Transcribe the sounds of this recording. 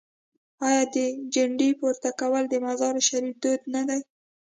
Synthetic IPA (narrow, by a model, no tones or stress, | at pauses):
ɑjɑd̪əd͡ʒaɳɖipoɾt̪akawəld̪əmazɑɾʃaɾifd̪od̪nad̪aj